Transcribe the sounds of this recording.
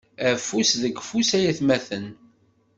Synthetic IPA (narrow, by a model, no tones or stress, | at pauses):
æfusðəɡfusæjæθmæθən